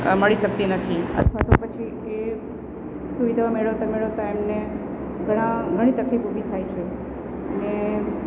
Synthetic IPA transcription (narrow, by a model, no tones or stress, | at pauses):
məɭiʃək̚t̪inət̪ʰiə̰t̪ʰʋat̪opət͡ʃʰi | e | suʋid̪ʱaʋameɭət̪ameɭət̪aemne | ɡʱəɽ̃ãɡʱəɽ̃ĩt̪əkʰikubʱit̪ʰajt͡ʃʰe | əne